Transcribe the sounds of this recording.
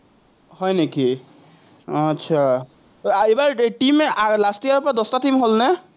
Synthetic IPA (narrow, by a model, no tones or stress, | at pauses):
hɔjneki | tːʃʰa | ebaɹʈimɛʔalastijaɹpɔɹad̪ɔstatimɦolnɛ